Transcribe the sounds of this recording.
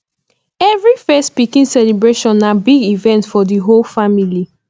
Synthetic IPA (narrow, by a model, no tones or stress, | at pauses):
ɛvɹifɛstpikĩnsɛlibɹeʃɔ̃nːabiɡivɛ̃ntfɔdiɦolfamili